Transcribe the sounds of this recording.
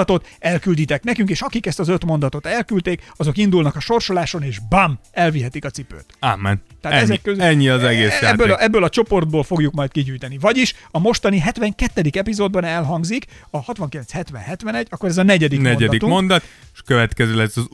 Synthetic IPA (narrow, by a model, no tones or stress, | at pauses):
t̪o̞t̪ɛlkyld̪it̪ɛknɛkyŋkeːʃɒkikɛst̪ɒzøt̪mo̞nd̪ɒt̪o̞t̪ɛlkylt̪eːkɒzo̞kind̪ulnɒkɒʃo̞rʃo̞laːʃo̞neːʒbamɛlviɦɛt̪ikɒt̪sipø̰ːt̪amːɛnt̪ːɛɦat̪ɛzɛkːøzɛɲːiɒzɛɡeːsjabːøʔɛbːøːlɒt͡ʃo̞po̞rd̪̚boːlfo̞ɡjukmɒjt̪̚kiɟyːjt̪ɛnivɒɟiʃɒmo̞ʃt̪ɒniɦɛt̪ʋɛŋkɛt̪ːɛd̪ikɛpizoːd̪̚bɒnɛlɦɒŋɡzikɒhɒt̪ʋɒŋkilɛnt͡shɛt̪ʋɛ̰nɦɛt̪ʋɛnɛɟːɒkːoɾɛzɒnɛɟɛd̪ikknɛnɟɛd̪ikt̪umo̞nd̪ɒt̪ | ʃkøvɛt̪kɛzølɛsɒz